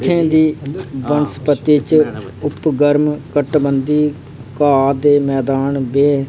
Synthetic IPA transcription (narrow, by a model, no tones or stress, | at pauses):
t̪ʰːẽːd̪iːbənspət̪iːt͡ʃ | ʊpɡəɾmkəʈbənd̪iː | kaːd̪eːmɛːd̪aːnbeː